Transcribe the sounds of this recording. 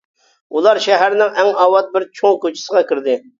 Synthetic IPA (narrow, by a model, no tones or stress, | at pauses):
ulˠɑɾʃɛɦæɾnɪŋɛŋɑwɑt̪̚bɪɾt͡ʃʰoŋkot͡ʃʰi̥səʁɑkʲʰɪɾd̪ɪ